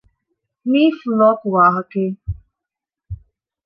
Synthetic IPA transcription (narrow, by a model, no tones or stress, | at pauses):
nifunɔkʊwaɦʊkɪ